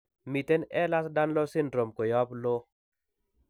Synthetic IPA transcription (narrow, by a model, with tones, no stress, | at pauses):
mi˨tɛ˦nɛ˦la˦sda˦nlɔ˦sɪ˦ndɾo˨mko˨jɔ˦blo˦